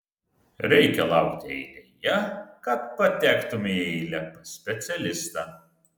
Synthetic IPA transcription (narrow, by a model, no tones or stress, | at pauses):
ɾʲɛɪkʲɛlˠɐʊkt̪ʲɪɛɪd̪ʲɛjɛkɐppːɐt̪ʲæːkt̪ʊmʲeɛlʲɛpɐsʲpʲɛt̪sʲɛlʲɪst̪ɑ